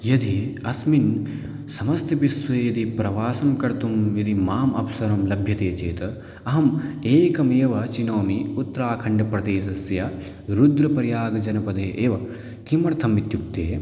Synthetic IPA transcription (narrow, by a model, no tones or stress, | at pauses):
jɐd̪iɐsmin | sɐmɐst̪ʰɐbisʋeːjɐd̪ipɾɐʋaːsɐmkɐɾt̪umjɐd̪imaːmɐpsɐɾɐmlɐbʱjɐt̪eːt͡ʃeːt̪ɐ | ɐɦɐmeːkɐmeːʋɐt͡ʃinoːmiut̪ːɐɾaːkʰɐɳɖɐpɾɐd̪eːʃɐsjɐ | ɾud̪ɾɐpɐɾjaːɡɐd͡ʒɐnɐpɐd̪eːʔeːʋɐ | kimɐɽt̪ʰɐmːit̪juk̚t̪eː